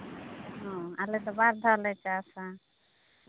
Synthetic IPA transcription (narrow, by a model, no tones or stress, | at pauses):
ɦɔ̃alɛt̪ɔbaɾd̪ʱalɛt͡ʃasa